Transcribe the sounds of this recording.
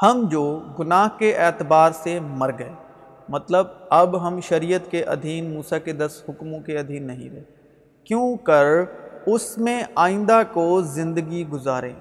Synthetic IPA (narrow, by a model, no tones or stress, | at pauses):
hɐmd͡ʒoːɡʊnaːɦkeʔɛːt̪ɪbaːɾsemɐɾɡɐe | mɐt̪ləbɐbɦɐmʃɐɾiːjət̪keʔɐ̰d̪ʱiːnmuːsaked̪ɐsɦʊkmõkeɐd̪ʱiːnːɐɦḭ̃ɾɐɦe | kjõːkɐɾʊsmẽaːɪ̃nd̪akozɪ̃nd̪əɡiɡʊzaːɾḛ̃ː